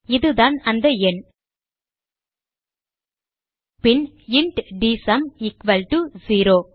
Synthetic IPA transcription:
ɪðɯðaːnɐnd̪ɐɛn | pɪn | ɪɳʈɖisɐmɪkʋɐlʈuziːɾoː

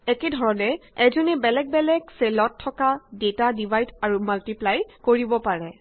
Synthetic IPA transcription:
ɛkedʱɔɹɔnɛɛzɔnɛbɛlɛk̚bɛlɛkselɔtʰːɔkadetadibʱajdaɹumaltiplajkoɹibɔpaɹɛ

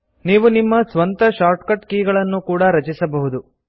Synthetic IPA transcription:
niːʋunimːɐsʋɐnt̪ɐʃaːɾʈkɐʈkiːɡɐɭɐnːukuːɽɐɾɐt͡ʃisɐbɐɦud̪u

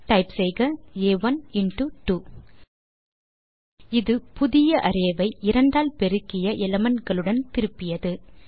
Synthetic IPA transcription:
ʈɐɪpsɛɪɣɐeːʋɐnɪnʈɯʈu | ɪðɯpʊðɪjɐʔɐɾeːʋɐɪʔɪɾɐɳɖaːlpɛɾɯkːɪjɐʔɛlɐmɐnɡɐɭɯɽɐnt̪ɪɾɯpːɪjɐðɯ

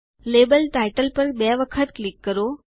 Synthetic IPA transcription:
lebəlʈaiʈəlpəɾbɛʋəkʰət̪klikːəɾo

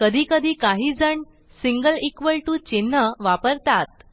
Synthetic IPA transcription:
kəd̪ʱiːkəd̪ʱiːkaɦiːd͡zəɳ | siŋɡəlikʋəɭʈuːt͡ɕenːəʋapəɾt̪at̪̚

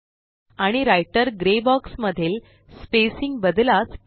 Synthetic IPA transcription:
aɽ̃iɾajʈəɾɡɾebɔksməd̪ʱːeːl | spesiŋɡbəd̪las

